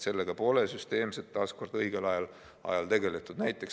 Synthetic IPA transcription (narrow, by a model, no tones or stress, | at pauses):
se̞lːeɡ̥ɑpo̞le̞syst̪e̞ːmset̪ːɑːsko̞rd̪ɤiɡ̥elɑjɑl | ɑ̰jɑlt̪e̞ɡe̞le̞t̪ːˑud̪̥næjt̪ːˑe̞k